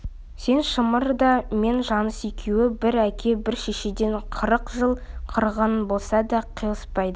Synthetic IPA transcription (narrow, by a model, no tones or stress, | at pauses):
se̞nʃəməɾd̪ɑme̞nʒɑnəsekʲʰewɪbɪɾækʲʰe̞bɪɾʃeʃed̪e̞ɴqʰəɾəqʒəlˠ | qʰəɾʁənbo̞lˠsɑd̪ɑqʰijlˠəspɑjd̪ə